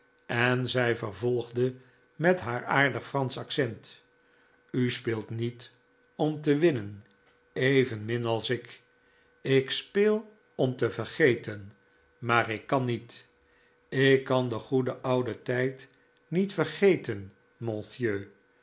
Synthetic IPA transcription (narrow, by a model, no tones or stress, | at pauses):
ɛnzɛjvəɹvɔlˠχdə | mɛtɦaːɹaːɹdəχfrɑnsɑksɛnt | yspɪːlˠtnit | ɔmtəʋɪnən | ejvənmɪnɑlˠsɪk | ɪkspɪːlˠ | ɔmtəvəɹχejtən | maːɾɪkːɑnit | ɪkːɑndəχudəʔʌwdətɛjt | nitfərχejtən | mɔ̃θjøː